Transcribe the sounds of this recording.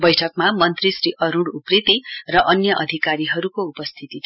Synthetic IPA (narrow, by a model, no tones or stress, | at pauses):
bʌjʈʰʌkmamʌnt̪risɾiʔʌɾũɽuprit̪irʌʔʌnjʌʔʌd̪ʱikaɾiɦʌɾukoupʌst̪ʰit̪it̪ʰ